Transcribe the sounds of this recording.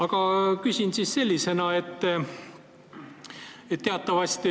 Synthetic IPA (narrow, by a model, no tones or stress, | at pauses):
ɑɡ̥ɑkysʲinsisse̞lʲːise̞nɑe̞t̪ː | et̪t̪ːe̞ɑt̪ːˑɑvɑsʲt̪i